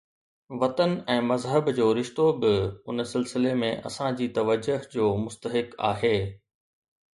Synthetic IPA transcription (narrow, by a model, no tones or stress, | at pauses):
ʋɐt̪ənɛ̃ːmɐzɦəbd͡ʑoːɾɪʃt̪obɪʊnsɪlsɪlemẽʔɐ̰sãd͡ʑiːt̪ɐʋəd͡ʑʊɦd͡ʑoːmʊst̪əɦɪka̰ːɦeː